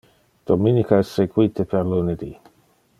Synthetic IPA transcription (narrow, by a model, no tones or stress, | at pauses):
d̪̥ominikaɛsːeɡwit̪epʰerluned̪i